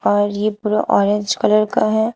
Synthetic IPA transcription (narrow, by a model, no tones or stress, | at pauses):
ɔːɾjepuɾa̰ʔɔːɾẽɲd͡ʒkɐləɾkaɦɛː